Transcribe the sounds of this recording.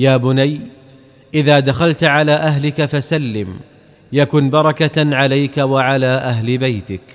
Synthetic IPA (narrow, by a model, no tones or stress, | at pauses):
jaːbʊnaj | ʔɪðaːd̪axalt̪ʕalaːʔaɦlɪkafasalːɪm | jakʊnbɑɾˤɑkaʕalajkawaʕalaːʔaɦlɪbajt̪ɪk